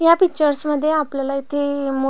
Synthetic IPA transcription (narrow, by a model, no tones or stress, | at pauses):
japik̚t͡ɕəɾsməd̪ʱːjeapljalait̪ʰemo